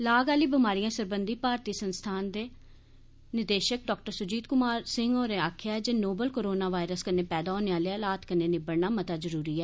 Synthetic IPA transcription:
laːɡaːliːbɪmaːɾijãːsəɾbənd̪iːpaːɾt̪iːsənst̪ʰaːnd̪eː | nɪd̪eːʃək̚ɖɔːk̚ʈəɾsʊd͡ʒiːd̪̚kʊmaːɾsɪŋɡoːɾeːaːkʰɪjaːɛd͡ʒeːnoːbəlkoːɾoːnaːʋaːɪɾəskəneːpɛːd̪aːoːneãːleaːlaːt̪kəneːnɪbəɽnaːmət̪aːzəɾuːɾiːɛː

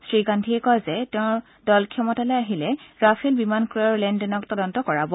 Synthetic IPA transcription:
sɹiɡandʱiɛkɔjzɛtɛʊ̃ | dɔlkʰɔmɔtalɛaɦilɛɹafʰilbimankɹiɔɹlɛndɛnɔktɔdɔntɔkɔɹabɔ

